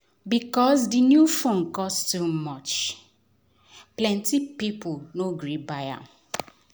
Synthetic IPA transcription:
bikɔsdinjufõnkɔsttumɔt͡ʃ | plɛ̃ntipiponoɡɹibaja̰

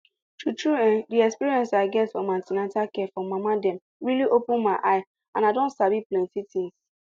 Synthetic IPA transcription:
tutɹuɛ̃ndiɛkspiɹiɛ̃nsaɪɡɛtfɔmãntinɛtakɛfɹɔ̃mːamadɛ̃m | ɹiliʔopʊ̃nmaɪʔaɪ | ãnaɪdõntsabiplɛ̃ntitʰĩŋs

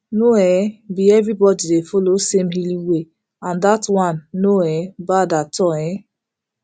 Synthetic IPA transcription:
noɛbiɛvɾibɔdidefolosemɦiliwe | ãndatwãnːoɛbadatɔɛ

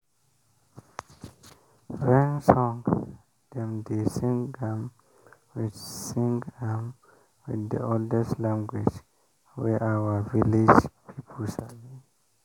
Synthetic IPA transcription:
fɹɛ̃ŋsɔ̃ŋ | d̥ɛ̃mdesĩŋãm | wid͡ʒsĩŋɡãm | widə̰ɔldɛslãŋɡwid͡ʒ | wɛ̰ʔawəvilid͡ʒpʰipʰəlsavĩ

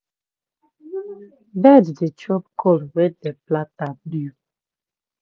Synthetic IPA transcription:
baddet͡ʃɔpkʰɔlwɛdeplatablu

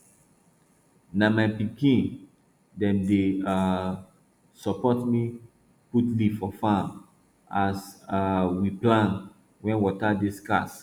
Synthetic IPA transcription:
namajpikĩn | dɛ̃mdea | sɔpɔtmi | kutlifɔfãm | asawiplãn | wɛ̃nwɔtadiska̰s

